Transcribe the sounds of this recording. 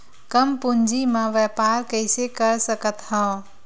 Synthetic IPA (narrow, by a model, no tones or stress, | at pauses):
kəmpund͡ʒimãʋɛpaɾkəɪsekəɾsəkət̪ɦə̃